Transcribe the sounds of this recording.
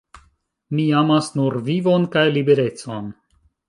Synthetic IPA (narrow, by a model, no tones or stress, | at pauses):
miamasnuɾvivo̞nkajlibe̞ɾe̞t͡so̞n